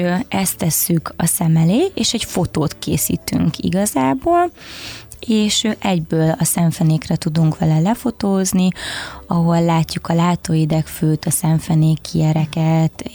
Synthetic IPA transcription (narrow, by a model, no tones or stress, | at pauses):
ɛst̪ɛsːykʰɒsɛmɛleːeːʃɛcfo̞t̪oːt̪kḛːsḭːt̪y̰ŋkʰḭɡɒzaːboːl | eːʃʔɛɟbøːlɒsɛɱfɛneːkrɛt̪ud̪uŋkʋɛlɛlɛfo̞t̪oːzniɒɦo̞lːaːcːukɒlaːt̪oːjid̪ɛkføːt̪ɒsɛɱfɛneːkʰːiɛɾɛkɛt̪